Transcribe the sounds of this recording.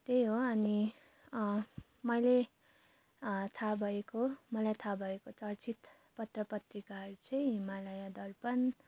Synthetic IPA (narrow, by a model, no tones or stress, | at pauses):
t̪ejɦoʌni | mʌjle | t̪ʰabʱʌekomʌlajt̪ʰabʱʌekot͡sʰʌrt͡sʰit̪ | pʌt̪rʌpʌt̪rikaʌɾut͡sʰʌj̃ɦimalʌjad̪ʌrpʌn